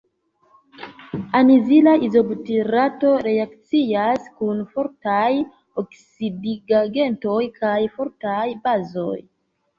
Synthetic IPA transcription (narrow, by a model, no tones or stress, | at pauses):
anizilaʔizo̞btiɾato̞ɾe̞akt͡siaskunfo̞ɾtaj | oksidiɡaɡe̞nto̞jkʰajfo̞ɾtajbazo̞̰j